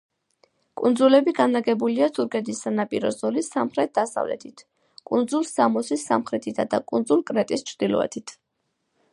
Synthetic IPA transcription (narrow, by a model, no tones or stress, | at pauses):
kʼund̪zulɛbiɡanaɡɛbuliat̪ʰuɾkʰʼɛd̪isːanapʼiɾɔzɔlisamχɾɛt̪̚d̪̥asa̰vlɛ̰t̪ʰit̪ʰ | kʼund̪zulˠsamɔsisːamχɾɛt̪ʰit̪ʰad̪akʼund̪zulkʼɾɛt̪ʼist͡ʃʰɾd̪̥ilɔ̰ɛ̰t̪ʰit̪ʰ